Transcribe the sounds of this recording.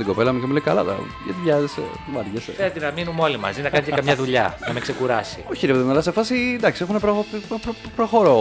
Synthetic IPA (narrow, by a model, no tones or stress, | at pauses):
t̪iɡo̞pe̞lɐmucemuleikɐlɐðɐ̰ | ʝɐ̰t̪iʝɐzes | mɐɾʝɐsed̪inɐminumo̞limɐ̰zinɐkɐnecekɐmɲɐðuʎɐnɐmekse̞kuɾɐsioçiliepiðimɐlɐsefɐsind̪ɐksiexunepɾopɾ | pɾoxo̞ɾo